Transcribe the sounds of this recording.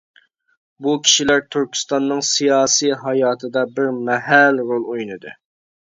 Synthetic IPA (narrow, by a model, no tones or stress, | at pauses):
bukʲʰi̥ʃilæɾt̪ʰyɾkʲʰst̪ɑnːɨŋsijɑːsijɦɑjɑːt̪ʰɨd̪ɑbɪɾmɛɦælɾolˠojnɨd̪ɨ